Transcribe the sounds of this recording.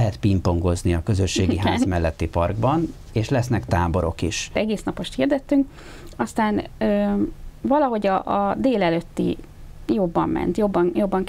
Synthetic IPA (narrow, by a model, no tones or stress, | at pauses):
ɦɛt̪pimpo̞ŋɡo̞zniɒkøzø̞ʃːeːɡiɦa̰ːzmɛlːɛt̪ːipɒrɡbɒn | eːʃlɛsnɛkt̪aːbo̞ɾo̞̰kiʃɛɡeːsnɒpo̞ʃt̪hiːrd̪ɛt̪ːyŋk | ɒst̪aːnø | vɒlɒɦo̞ɟɒʔːd̪eːlɛløt̪ːḭ | jo̞bːɒ̰mːʔɛ̰nt̪jo̞bːɒnjo̞bːɒŋ